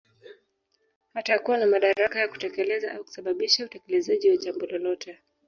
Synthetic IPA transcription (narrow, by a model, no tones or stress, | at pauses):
hatakuwanamaɗaɾakajaku̥tɛkɛlɛzaʔauku̥saɓaɓiʃautɛkɛlɛzaʄiwad͡ʒambɔlɔlɔtɛ